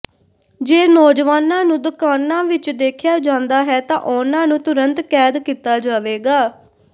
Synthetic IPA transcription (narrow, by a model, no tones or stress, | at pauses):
d͡ʒeːnɔːd͡ʒʋaːnãːnũːd̪ʊkaːnːãːʋɪt͡ʃd̪eːkʰɪjaːd͡ʒãːnd̪aːɦɛːt̪ãːʔʊnãːnũːt̪ʊɾənt̪kɛːd̪kiːt̪aːd͡ʒaːʋeːɡaː